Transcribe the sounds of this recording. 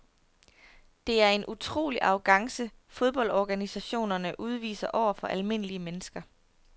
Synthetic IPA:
d̥e̝æɐe̝nʔut͡sʰʁo̝̰ːliʔɑ̈ʊɡ̥ɑ̈ŋsəfoð̞ˠb̥ɒ̽ld̥ɒɡ̥ænisæɕo̝̰ːnɐnəʔuð̞ˠʋḭːsɐʔɒʊ̰ɐfɒ̽ʔælme̝n̰əliəmenəsɡ̥ɐ

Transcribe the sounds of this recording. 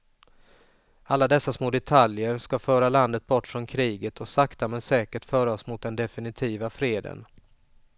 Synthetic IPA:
alːad̪ɛsːasmoːd̪ɛt̪ʰaljəɾskafœːɾaland̪ət̪̚bɔʈːfɾɔnkʰɾiːɡət̪ʰɔsakt̪amɛnsɛːkəʈfœːɾaɔsmʊt̪̚d̪ɛnd̪ɛfɪnɪt̪ʰiːvafɾeːd̪ə̰n

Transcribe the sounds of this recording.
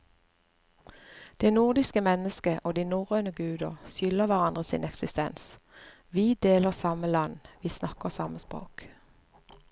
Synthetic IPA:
d̪̥eːnʊʁd̪ɪskəmɛnəskəʔoːd̪iːnuʁøːnəɡʉːd̪əʁsʏləʋæʁɑnd̪ʁəsḭːnɛksɪst̪ɛns | ʋiːd̪eːləʁsɑməlɑnʋiːsnɑkəʁsɑməspʁo̰ːk

